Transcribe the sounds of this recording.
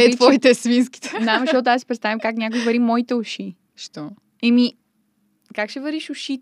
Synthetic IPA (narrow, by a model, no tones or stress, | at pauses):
ɛvɔit̪ɛsminski̥t̪ɛ̥d̪aməʃɔt̪t̪asi̥pɾɛt̪st̪avimkaknʲak̬ʊivɐɾimɔit̪ɛʊʃi | ʃt̪ɔ | ɛmi | kakʃɛvɐɾiʃʊʃi